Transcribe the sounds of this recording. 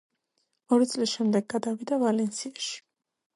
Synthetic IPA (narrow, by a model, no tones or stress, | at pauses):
ɔɾit̪sʼlisʃɛmd̪ɛɡːad̪avid̪avalɛnsʰiaʃi̥